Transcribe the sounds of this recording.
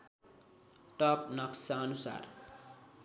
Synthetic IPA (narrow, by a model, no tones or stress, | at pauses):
ʈʌp̚nʌksaʌnusa̰r